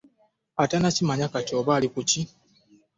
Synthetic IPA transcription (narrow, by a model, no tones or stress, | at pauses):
atanacimaɲakatoːβalikuci